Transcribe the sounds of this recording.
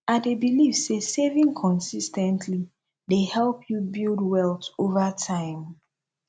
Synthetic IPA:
adebilivsesevĩŋkʰɔ̃nsistɛ̃ntʰli | dehɛlˠpʰjubildwɛlˠtovətʰãɪ̃m

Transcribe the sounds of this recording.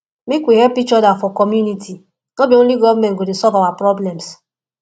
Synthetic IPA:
mekʷwiɦɛpikt͡ʃɔdafɔkɔmjunitʰi | nobjon̩liɡɔvmɛ̃nɡodesɔlvawapɾɔblɛms

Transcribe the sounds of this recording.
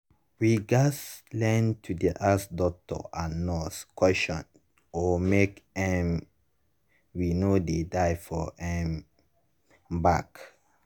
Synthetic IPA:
wiɡaslɛ̃ntʰudiʔasdɔk̚tɔ̰ʔanɔskwɛsʃɔ̃n | ɔmekɛ̃m | winodedaɪfɔɛ̃m | bak

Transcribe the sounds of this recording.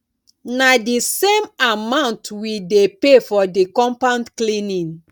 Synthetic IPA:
nadisemamãʊ̃ntwidepefɔdikɔ̃mpãndklĩnĩn

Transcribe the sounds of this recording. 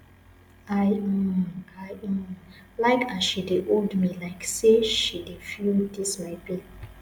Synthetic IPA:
aɪ | aj̃ | laɪkʰaʃideʔoldmilaɪkseʃidefudismaɪbi

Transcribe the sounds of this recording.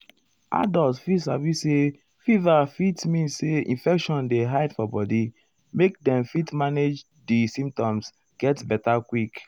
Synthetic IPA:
a̰dɔltfisavise | fivafitmĩnsseḭ̃nfɛkʃɔ̃ndeɦaɪdfɔbɔdi | mekdɛ̃mfitmaned͡ʒ | disĩmp̚tɔ̃ms | ɡ̥ɛtbɛtakwik

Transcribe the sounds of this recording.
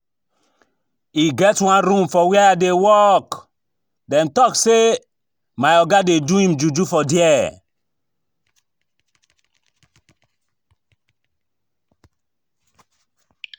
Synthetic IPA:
iɡɛtwãnɾũmfɔwɛɛadewɔk | dɛ̃mtɔkse | maɪɔɡadeduĩmd͡ʒud͡ʒufɔdiɛ

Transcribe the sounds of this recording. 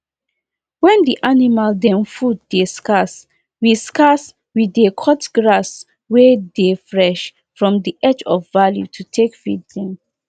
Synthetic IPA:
wɛ̃ndiʔanimaldɛ̃mfudːeskas | wiskas | widekʰɔtɡɹas | wɛdefɹɛʃ | fɹɔ̃mdiʔɛd͡ʒɔfvaljṵtʰutʰekfḭddɛ̃m

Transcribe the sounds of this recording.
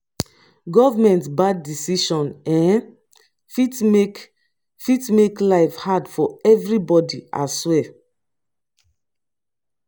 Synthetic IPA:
ɡɔvamɛ̃ntbadːisiʃɔ̃nɛ̃n | fit | fitmeklaɪfhadfɔɛvɹibɔdiʔa̰swɛ

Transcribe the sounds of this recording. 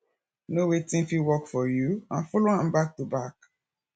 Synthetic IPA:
nowetĩmfiwɔkfɔjuãnfɔlohãmbak̚tubak

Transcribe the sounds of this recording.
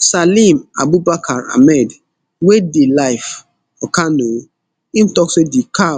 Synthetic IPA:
salĩma̰bubakʰaɾa̰mɛd | wedelajf | ɔkanõ | im̩tɔksedika

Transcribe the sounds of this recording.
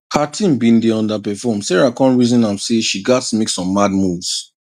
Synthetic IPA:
hatʰĩmbĩndiɔ̃ndapɛfɔmsɛɹakɔ̃nɹizɔ̃nãmseʃiɡatsmeksɔ̃mːadmuvz̥

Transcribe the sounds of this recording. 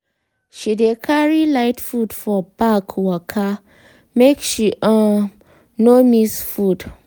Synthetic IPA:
ʃidekʰaɹilaɪtfudfɔbakʰwɔkʰa | mekʃiʔã | nomisfud

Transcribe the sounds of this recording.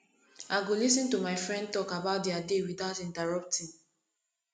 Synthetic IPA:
aɪɡolisĩntumaɪfɹɛ̃nd̚tɔkabaʊt̚diadewidaʊtĩntaɹɔp̚tĩn

